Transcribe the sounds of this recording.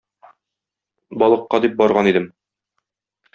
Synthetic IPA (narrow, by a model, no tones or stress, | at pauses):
bɒlˠɤ̆qːɑd̪ip̚bɒɾʁɑnid̪ɘm